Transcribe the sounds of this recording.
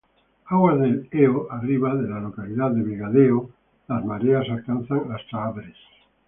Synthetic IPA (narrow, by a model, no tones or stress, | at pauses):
aɣwazðeleoariβaðelalo̞kaliðaððeβiɣaðeo | lazmaɾeasalkan̟θaŋast̪ɾaaβɾes